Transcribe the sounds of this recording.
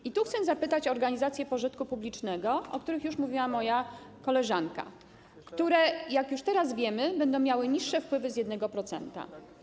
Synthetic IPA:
it̪uxt̪sɛzapɘt̪at͡ɕɔːɾɡaɲizat̪sʲjɛpɔʐɘt̪kupublʲit͡ʂnɛɡɔɔkt̪uɾɘxjuʂmuvʲiwamɔjakɔlɛʐanka̰ | kt̪uɾɛjakjuʂt̪ɛɾasvʲjɛmɘbɛnd̪ɔ̃w̃mjawɘɲiʂːɛfpwɘvɘzjɛd̪nɛɡɔpɾɔt̪sɛ̰nt̪a̰

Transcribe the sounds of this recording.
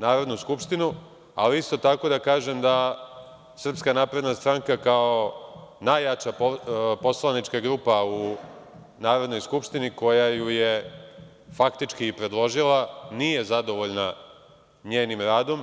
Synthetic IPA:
naːɾo̞d̪nuskupʃt̪inu | aliist̪o̞t̪ako̞d̪akaːʒemd̪a | sr̩pskanaːpɾe̞d̪nast̪ɾaŋkakao̞najat͡ʃapopo̞slˠanit͡ʃkaɡɾuːpau | naːɾo̞d̪no̞jskupʃt̪iniko̞jajuje̞ | fakt̪it͡ʃkiːpɾe̞d̪lo̞ʒilanije̞zad̪o̞ʋo̞ʎna | ɲeːnimɾaːd̪o̞m

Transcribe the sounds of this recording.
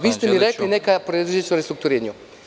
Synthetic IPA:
ʋiːst̪emiɾeklinekajpɾed̪id͡ʒet͡ʃuɾest̪ɾukt̪uɾeɲu

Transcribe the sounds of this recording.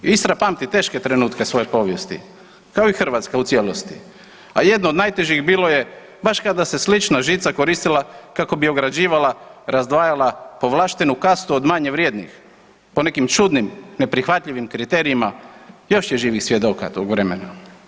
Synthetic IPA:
ist̪ɾapamt̪it̪e̞ːʃke̞t̪ɾe̞nuːt̪ke̞sʋo̞je̞po̞ʋje̞st̪ḭ | kaoixr̩ʋat̪skaut̪sjeːlost̪ḭ | aje̞d̪nod̪najt̪e̞ʒixbiːlˠo̞je̞ | baʃkad̪ase̞slit͡ʃnaʒiːt̪sako̞ɾist̪ilˠakako̞bio̞ɡɾad͡ʑiːʋalˠaɾazd̪ʋaːjalapo̞ʋlˠaːʃt̪enukast̪uod̪maɲeʋɾjeːd̪nḭx | po̞ne̞kimt͡ʃud̪nimne̞pɾixʋat̪ʎʲiʋimkɾit̪e̞ɾiimajo̞ʃjeʒiːʋixsʋje̞d̪o̞ka̰t̪oɡʋɾe̞mena

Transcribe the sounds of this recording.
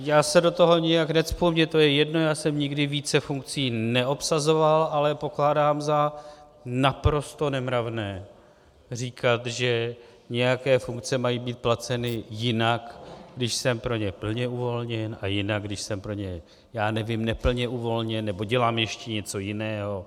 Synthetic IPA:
jaːsɛdo̞t̪o̞ɦo̞ɲɛjaknɛtspumɲɛt̪o̞jɛjɛdno̞jaːsɛmɲɪɡdɪviːt͡sɛfuŋk̚t͡siːnɛʔo̞psazo̞valʔalɛpo̞klaːdaːmza | napɾo̞st̪o̞nɛmɾavnɛː | r̝iːkʰat̪ʒɛ | ɲɛjakɛːfuŋk̚t͡sɛmajibiːt̪̚plat͡sɛnɪjɪnakɡdɪʃsɛmpɾo̞ɲɛpl̩ɲɛuvo̞lɲɛnʔajɪnaɡdɪʃsɛmpɾo̞ɲɛ | jaːnɛvɪmnɛpl̩ɲɛʔuvo̞lɲɛnːɛbo̞ɟɛlaːmjɛʃcɛɲɛt͡so̞jɪnɛːɦo̞

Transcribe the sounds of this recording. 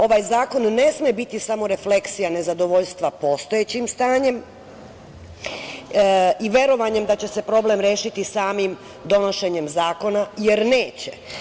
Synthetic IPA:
o̞ʋaːjzaːko̞nːe̞smijebit̪isamo̞ɾe̞fle̞ksijane̞zad̪o̞ʋo̞ʎst̪ʋapo̞st̪o̞et͡ɕimst̪aːɲe̞m | iʋʲje̞ɾo̞ʋaɲe̞md̪at͡ɕe̞se̞pɾo̞blemɾje̞ːʃit̪isaːmim | d̪o̞no̞ʃe̞ɲe̞mzaːko̞naje̞ɾne̞ːt͡ɕe

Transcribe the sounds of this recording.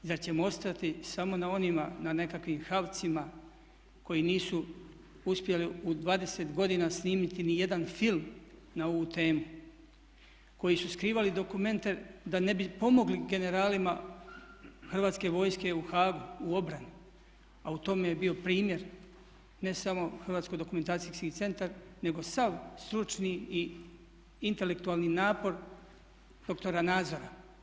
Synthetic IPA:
zaɾt͡ɕe̞moo̞st̪at̪isamo̞nao̞nimanane̞kakʋimxaʋt̪sima | ko̞jiniːsu | uspje̞liud̪ʋaːd̪e̞set̪ɡo̞d̪inasniːmit̪inije̞d̪anfilˠm | nao̞ʋut̪e̞ːmu | ko̞jisuskɾiːʋalid̪o̞kume̞nt̪e̞d̪ane̞bipo̞mo̞ɡliɡe̞ne̞ɾaːlima | xr̩ʋaːt̪ske̞ʋo̞ːjske̞uxaːɡuuo̞bɾani | aut̪o̞mejebio̞pɾiːmje̞ɾ | ne̞samo̞xrʋaːt̪skod̪o̞kume̞nt̪aːt̪iskit̪se̞nt̪aɾne̞ɡo̞saʋst̪ɾut͡ʃnii | int̪e̞le̞kt̪uaːlˠninaːpo̞ɾ | d̪̥o̞kt̪o̞ɾanaːd̪zo̞ɾa

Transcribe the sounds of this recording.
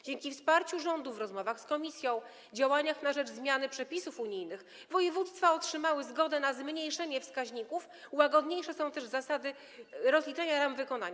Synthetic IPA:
d͡ʑɛŋkʲifspaɾt͡ɕuʐɔnd̪uvɾɔzmɔvaxskɔmʲisʲjɔ̃w̃ | d͡ʑawaɲaxnaʐɛd͡ʐzmʲjanɘpʂɛpʲisufuɲijnɘx | vɔjɛvut̪st̪faɔtʂɘmawɘzɡɔd̪ɛnazmɲejʂɛɲɛfskaʑɲikuf | waɡɔd̪ɲejʂɛsɔ̃w̃t̪ɛʐzasad̪ɘ | ɾɔzlʲit͡ʂɛɲaɾamvɘkɔna̰ɲa

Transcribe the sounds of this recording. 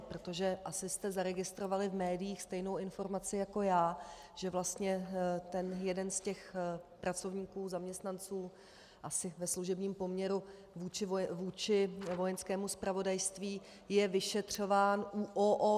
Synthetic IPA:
pɾot̪oʒɛʔasɪst̪ɛzaɾɛɡɪst̪ɾo̞valɪvmɛːdɪjiːxst̪ɛjno̞wɪnfo̞ɾmat͡sɪjako̞jaː | ʒ̥ɛvlast̪ɲɛt̪ɛnjɛdɛnscɛxpɾʔat͡so̞vɲiːkuːzamɲɛst̪nant͡suː | ʔasɪvɛsluʒɛbɲiːmpo̞mɲɛɾu | vuːt͡ʃɪvuːt͡ʃɪvo̞jɛnskɛːmuspɾavo̞dajst̪viː | jɛvɪʃɛt̪r̝̥o̞vaːnʔuʔoʔo

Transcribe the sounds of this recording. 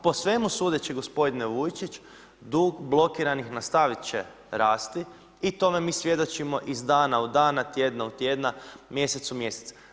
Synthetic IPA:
po̞sʋe̞musuːd̪et͡ɕeɡo̞spo̞d̪ineʋujt͡ʃit͡ʃ | d̪uːɡblˠo̞kiɾanixnast̪aʋit̪t͡ʃe̞̰ | ɾaːst̪i | it̪o̞me̞miːsʋje̞d̪o̞t͡ʃimo̞ʔizd̪aːnaud̪aːnat̪je̞d̪naut̪jed̪namje̞set̪sumje̞set̪sa

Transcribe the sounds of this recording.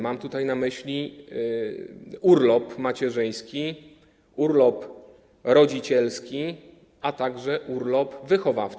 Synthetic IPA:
mamt̪ut̪ajnamɘɕlʲi | uɾlɔpmat͡ɕɛʐɘj̃skʲi | uɾlɔp | ɾɔd͡ʑit͡ɕɛlskʲi | ʔat̪aɡʐɛʔuɾlɔpvɘxɔvaf

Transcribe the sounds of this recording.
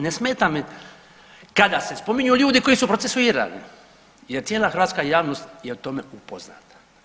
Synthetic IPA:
nesmeːt̪am | kad̪ase̞spo̞miɲuuːʎuːd̪iko̞jisupɾosesuiːɾa̰lḭ | jeɾt̪sjeːlˠaxɾ̩ʋaːt̪skajaːʋno̞st̪jeut̪o̞meupozna̰ːt̪ḁ

